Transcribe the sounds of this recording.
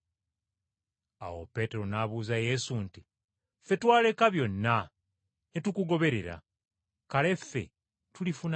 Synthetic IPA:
a̰wo̰pe̞ːte̞ɾo̞naβuːzaje̞sunti | fe̞twaːle̞kaβjo̞nːa | netukuɡo̞βe̞ɾe̞ɾa̰ | kale̞fːe̞̰ | tulifun

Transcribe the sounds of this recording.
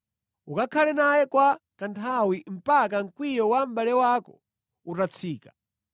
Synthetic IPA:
ukakʰalɛnajɛkwakantʰawim̩pakaŋ̩kwijɔwam̩balɛwakɔ | utat͡sʰiːkḁ

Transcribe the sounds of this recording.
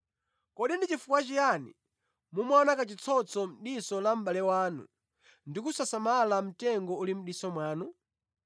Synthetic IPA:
kɔɗindit͡ʃifukwat͡ʃijanḭ | mumwanakat͡ʃit͡sʰɔt͡sʰɔm̩ɗisɔlam̩ɓalɛwaːnṵ | ndikusasamalam̩tɛŋɡɔulim̩ɗisɔmwaːnu

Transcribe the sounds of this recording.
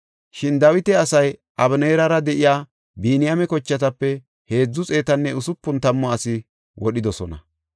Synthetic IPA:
ʃɪnd̪ɐwɪt̪ɛɐsɐj | ʔɐbneːɾɐɾɐd̪ɛʔɪjaː | biːnɪjamɛkɔt͡ʃːɐt̪ɐpːɛ | he̞ːd͡zːʊt͡sʼe̞ːt̪ɐnːɛʊsʊpːʊnt̪ɐmːɔɐsɪ | wʔɔɗɪd̪ɔsɔnɐ̰

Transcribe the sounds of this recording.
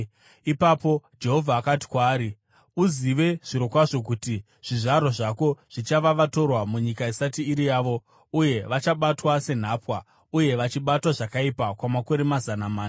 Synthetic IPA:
ipapo̞d͡ʒe̞ɦo̞vʱaːkat̬i̥kwaːɾi | uziʋe̞ʐ̥iɾo̞kwaʐo̞k̬uti | ʐ̥iʐaɾoʐako̞ʐ̥it͡ʃaʋaʋato̞rwamuɲikaisatiːɾijaːʋo̞ | uje̞ʋat͡ʃaɓatwase̞n̤aːpwa | uje̞ʋat͡ʃiɓatwaʐakaipakwamako̞ɾe̞mazanamaːna

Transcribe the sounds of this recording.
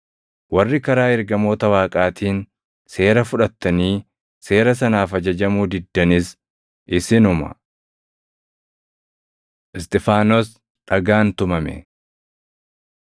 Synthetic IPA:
wɐrːɪkɐɾaːɛɾɡɐmo̞ːt̪ɐwaːkʼaːt̪ʰiːn | se̞ːɾɐfʊᶑɐt̪ːɐniː | se̞ːɾɐs̬ɐnaːfɐd͡ʒɐd͡ʒɐmuːd̪ɪd̪ːɐnɪs | ʔɪsɪnʊmɐ̰ | ʔɪst̪ʼɪfaːnɔs | ᶑɐɡaːnt̪ʊmɐmɛ̰

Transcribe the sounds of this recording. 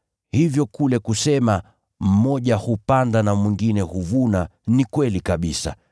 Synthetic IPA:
hivjɔkulɛkusɛma | m̩mɔʄahupandanamwiŋɡinɛhuvunanikwɛlikaɓisa̰

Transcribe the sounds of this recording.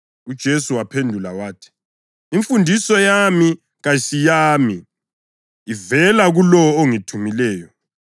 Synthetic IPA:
ud̥ʒ̥ʱesuwapʰendʱulawaːtʰi̥ː | ɱfundʱisɔjami | ɣajisijaːmiː | vɛlaɣulɔoŋitʰumilɛːjɔ

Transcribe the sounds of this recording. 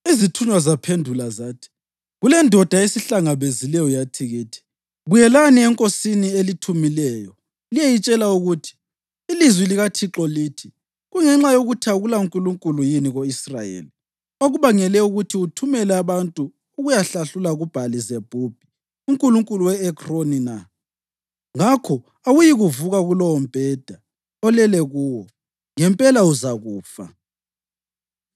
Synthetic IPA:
izitʰuɲwazapʰendʱulazaːtʰi̥ | ɣulɛndʱɔd̥ʱaesiɬaŋaβezilɛjɔjatʰiɣiːtʰi̥ | ɣujɛlaniɛŋkʼosinielitʰumilɛːjɔ | lijejit͡ʃʼɛlauɣutʰi̥ː | lizwiliɣatʰiǁɔliːtʰi | ɣuŋɛŋ͡ǁajoɣutʰaɣulauŋkʼuluŋkʼulujiniɣoisra̰jḛːli | oɣuβaŋɛlɛuɣutʰiutʰumɛlɛaβantʼuː | ɣujaɬaɬulaɣub̥ʱalizeb̥ʱub̥ʱi | uŋkʼuluŋkʼuluwɛɛkronina | ŋakʰɔ | awujiɣuvuɣaɣulɔwɔmb̥ʱɛd̥ʱa | ɔlɛlɛɣuːwɔ | ŋɛmpʼɛlauzaɣuːfa̰

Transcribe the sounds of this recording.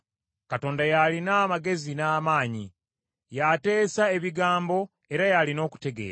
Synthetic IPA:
kato̞ːndajalinaːmaɡe̞zinaːmaːɲi | jate̞ːsae̞βiɡaːmbo̞ | e̞ɾajalino̞ːku̥te̞ɡe̞̰ːɾa

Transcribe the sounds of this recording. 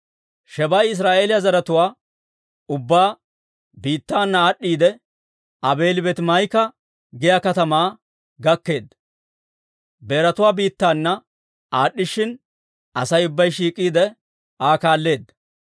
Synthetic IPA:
ʃɛbɐjɪs̬ɾaːʔeːlɪjɐzɐɾɐt̪ʊwaː | ʊbːaː | biːt̪ːaːnːɐːɗːiːd̪ɛ | ɐbe̞ːlɪbɛt̪mɐjkɐ | ɡɪjakɐt̪ɐmaː | ɡɐkːe̞ːd̪ | be̞ːɾɐt̪ʊwaːbiːt̪ːaːnːɐ | aːɗːɪʃɪn | ɐsɐjʊbːɐjʃ̬iːkʼːiːd̪ɛ | aːkaːlːe̞ːd̪ɐ

